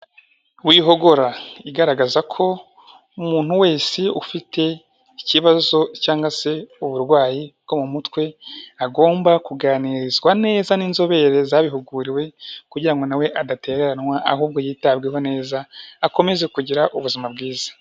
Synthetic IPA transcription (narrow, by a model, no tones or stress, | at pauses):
wiːɦo̞ɡo̞ɾaiɡaɾaɡazakʰo̞ | umuːn̥huwe̞ːsiufitʰe̞ | iciβazo̞caːŋɡase̞uβuɾɡwaːjibɡ̥o̞mumutwe̞aɡo̞ːmbakuɡaːniːɾizɡwane̞ːzaniːnzo̞βe̞ɾe̞zaβiɦuɡuɾiwe̞kuɟiɾaŋɡo̞nawe̞ʔadate̞ːɾeɾanŋwaʔa̰ɦuːb̚ɡo̞jiːtabɡeɦone̞ːzaːko̞me̞ze̞kuɟiɾaʔuβuzimabɡiːzḁ